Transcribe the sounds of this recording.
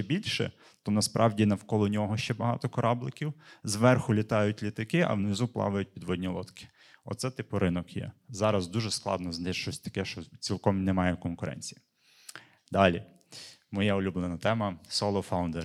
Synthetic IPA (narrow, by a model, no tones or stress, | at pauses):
t͡ʃɛbʲilʲʃɛ̰ | t̪ɔnɐspɾʔɑwdʲinɐwkɔlˠɔnʲɔɦɔʃt͡ʃɛbɐɦɑ̰t̪ɔkɔɾɑblˠɪkʲiwzʋɛrxʊlʲit̪ɑjʊtʲlʲit̪ɐkɪʔɐ̰wnɪzuplˠɑ̰ʋɐjʊt̚ʲpʲid̪ʋɔdʲnʲilˠɔt̪kɪ̥ | ɔ̰t̪sɛt̪ɪpʊɾɪnɔkjɛ̰zɑɾɐzd̪uʒɛsklˠɑ̰d̪nɔznɛʃt͡ʃɔsʲt̪ɐ̥kɛʃt͡ʃɔt͡sʲilˠkɔmnɛmɑjɛkɔnkʊɾʔɛ̰nʲt͡sʲi̥ji | d̪ɑlʲi | mɔjɛʊlʲublˠenɐt̪ɛmɐsɔlˠɔfawʊnd̪ɛɾ